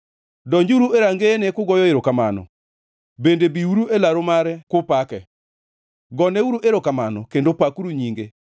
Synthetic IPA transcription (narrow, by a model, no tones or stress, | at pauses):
dɔɲd͡ʒuɾueɾaŋɡenekʊɡɔjɔeɾokamanɔ̰ | bendebiuɾuelaɾomaɾɛkʊpakɛ | ɡɔnɛuɾuʔeɾokamanɔ̰kendopakuɾuɲiŋɡe